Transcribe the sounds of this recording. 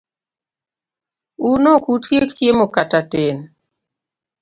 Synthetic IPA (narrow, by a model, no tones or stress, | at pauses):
unokutjektjemokataten